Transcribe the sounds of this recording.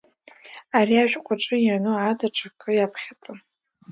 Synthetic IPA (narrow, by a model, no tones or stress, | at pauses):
aɾiaʒᶣqʷʼaʈ͡ʂʼɨjanɨʕadaʈ͡ʂʰakʼɨjapʰχʲatʼa